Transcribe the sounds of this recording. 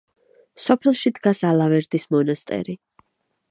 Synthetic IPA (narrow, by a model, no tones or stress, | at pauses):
sɔpʰɛlˠʃid̪ɡasalˠavɛɾd̪ismɔnast̪ʼɛ̰ɾi